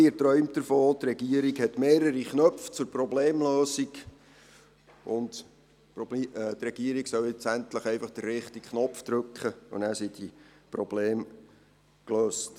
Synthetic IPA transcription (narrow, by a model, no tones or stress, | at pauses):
əɾtɾœʏmtəɾfoːt̪rɛɡiəɾikhɛtmeːɾəɾiχnœpft͡sʊɾprɔbleːmløːsiɡ | ʔʊnd | pɾɔbt̪ɾɛɡ̥iəɾiksœlɪt͡sæntləχɛɪfɑχd̥ərːɪχtikχnɔpfd̥ɾʉkχəʊ̰næːɾsidipɾɔb̥leːm | kløːst